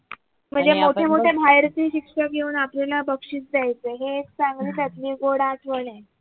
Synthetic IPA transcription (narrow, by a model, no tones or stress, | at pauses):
m̤əɳd͡zemoʈʰemoʈʰebʱajɾt͡siːɕikʂəkjeuːnaplilabəkʂiːt͡sd͡zajt͡seɦeːkt͡saŋɡliːt̪at̪liːɡoɽaʈʰʋəɳe